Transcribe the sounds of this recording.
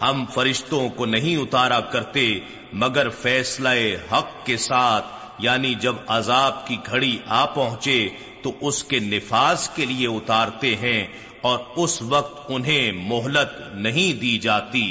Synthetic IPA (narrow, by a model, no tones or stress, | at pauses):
hɐmfɐɾɪʃt̪õkonɐɦĩʊt̪aːɾakɐɾt̪e | mɐɡəɾfɛːslaeɦɐqːesaːt̪ʰ | jaːnid͡ʒɐbɐzaːb̚kiɡʱɐɽiʔaːpɐɦʊ̃t͡ʃe | t̪oʔʊskenɪfaːzkelieʊt̪aːɾt̪eɦɛ̃ | ɔːɾʊsʋɐq̚t̪ʊnɦẽmʊɦlət̪ | nɐɦĩd̪id͡ʒaːt̪iː